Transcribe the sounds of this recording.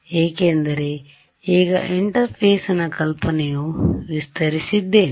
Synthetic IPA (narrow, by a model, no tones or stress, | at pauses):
eːkeːnd̪ɐɾe | iːɡɐ̰ʔiɳʈɐɾpʰeːsɐnɐkɐlpɐnejuʋist̪ɐɾisid̪ːeːn